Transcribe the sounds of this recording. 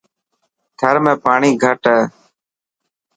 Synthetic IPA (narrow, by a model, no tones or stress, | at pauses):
t̪ʰəɾmẽːpaːɳiːɡʱəʈəː